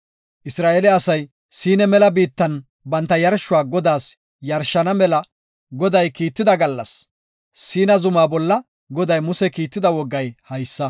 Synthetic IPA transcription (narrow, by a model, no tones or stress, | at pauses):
ʔɪsɾaːʔelɛɐsɐj | siːnɛmɛlɐbiːt̪ːɐn | bɐnt̪ːɐjɐɾʃːʊwaːɡɔd̪aːs | jɐɾʃːɐnɐmɛlɐ | ɡɔd̪ɐjkiːt̪ːɪd̪ɐɡɐlːɐ̰sː | iːnɐzʊmaːbɔlːɐ | ɡɔd̪ɐjmʊsɛkiːt̪ːɪd̪ɐwɔɡːɐjhɐjsːɐ